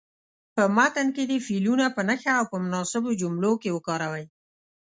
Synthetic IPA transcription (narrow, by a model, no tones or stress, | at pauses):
pəmat̪anked̪əfilunapənəxaːwpəmʊnɑsɪbod͡ʒumlokewəkɑɾawəj